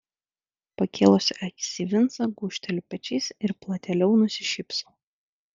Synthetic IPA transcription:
pɐkʲeːlˠosʲʔækʲɪ̥sʲiʋʲɪnt̪sɐɡuːʃʲt̪ʲɛlʲupʲɛt͡ʃʲɛɪsɪɾplˠɐt̪ʲɛlʲɛʊnʊsʲɪʃʲɪpsoː

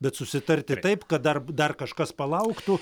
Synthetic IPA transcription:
bʲɛt̪sʊsʲɪt̪ɐrʲt̪ʲɪt̪ɐɪpkɐt̪̚d̪ɐrd̪ɐrkɐʃkɐspɐlˠɐʊkt̪ʊ

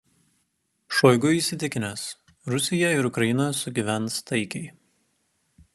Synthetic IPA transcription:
ʃɔɪɡʊiːˑsʲɪt̪ʲɪkʲɪnʲɛs | ɾʊsʲɪjɛɪɾʊkɾɐjɪnɐsʊɡʲiʋʲænˑst̪ɐɪkʲɛɪ

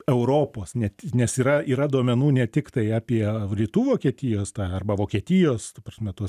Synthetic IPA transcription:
ɛʊɾoːpoːsnʲɛtʲnʲɛsiːɾɐiːɾɐd̪uɔmʲɛnuːnʲɛt̪ʲɪkt̪ɐɪɑːpʲiɛlʲiːt̪uːʋoːkʲiɛt̪ʲɪjoːst̪ɑːɐrbɐʋoːkʲiɛtʲɪjoːst̪ɐpɐsʲmʲɛt̪uɔs

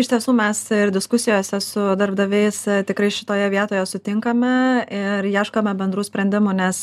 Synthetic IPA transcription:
ɪʃt̪ʲiɛsuːmʲɛsɪɾd̪ʲɪskʊsʲɪjoːsʲɛsʊd̪ɐɾbd̪ɐʋʲɛɪst̪ʲɪkɾɐɪʃʲɪ̥t̪oːjɛʋʲiɛt̪oːjɛsʊt̪ʲɪŋkɐmʲɛɪɾjiɛʃkoːmʲɛbʲɛnd̪ɾuːsʲpʲɾʲɛnd̪ʲɪmunʲɛs

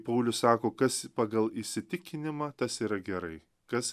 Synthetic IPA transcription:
pɐʊlʲʊssɑːkoːkɐspɑɡɐlˠɪʃʲsʲɪt̪ʲɪkʲɪnʲɪmɑːt̪ɐsiːɾɐɡʲɛɾɐɪ | kɐs

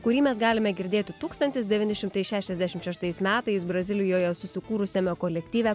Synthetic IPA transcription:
kʊɾʲiːmʲɛsɡɑːlʲɪmʲɛɡʲɪɾʲd̪ʲeːt̪ʲɪt̪uːkst̪ɐnt̪ʲɪsd̪ʲɛʋʲiːnʲɪʃʲɪmt̪ɐɪʃʲæːʃʲɛzʲd̪ʲæʃʲɪmʃʲɛʃt̪ɐɪsmʲæːt̪ɐɪsbɾɐzʲɪlʲɪjoːjɛsʊsʲɪkuːɾʊsʲɛmʲoːkoːlʲɛkʲt̪ʲiːʋʲɛ

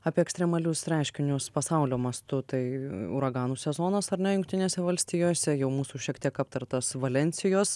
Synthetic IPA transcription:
ɑːpʲiɛɛksʲt̪ɾʲɛmɐlʲʊsɾʲæˑɪʃʲkʲɪnʲʊspɐsɑʊlʲoːmɐst̪ʊt̪ɐɪʊ̰ɾɐɡɑːnuːsʲɛzoːnɐsɐɾnʲɛjʊŋk̚t̪ʲɪnʲeːsʲɛʋɐlʲsʲt̪ʲiːjoːsʲɛjɛʊmuːsuːʃʲiɛkt̪ʲiɛkɐp̚t̪ɐɾt̪ɐsʋɐlʲɛnʲsʲɪjoːs

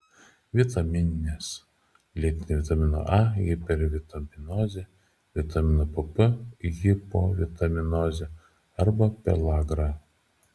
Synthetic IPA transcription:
ʋʲɪt̪ɐmʲɪnʲɪnʲes | lʲiɛt̪ʲɪnʲeʋʲɪt̪ɐmʲɪno̰ʔɑjɪpʲɛɾʋʲɪt̪ɐmʲɪnɔːzʲe | ʋʲɪt̪ɐmʲɪnopɨpəjɪpo̰ʋʲɪt̪ɐmʲɪnɔzʲe | ɐɾbɐpʲɛ̰lˠaːɡɾɐ

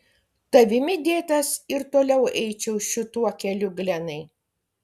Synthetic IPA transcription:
t̪ɐʋʲɪmʲɪd̪ʲeːt̪ɐsɪɾt̪oːlʲɛʊɛɪt͡ʃʲɛʊʃʲɪt̪uɔkʲɛlʲʊɡlʲɛnɐɪ

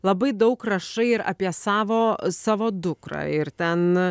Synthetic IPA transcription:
lˠɐbɐɪd̪ɐʊkrɐʃɐɪɪɾɐ̰pʲiɛsɑːʋoːsɑːʋoːd̪ʊkɾɑ̰ːɪɾt̪ʲɛn

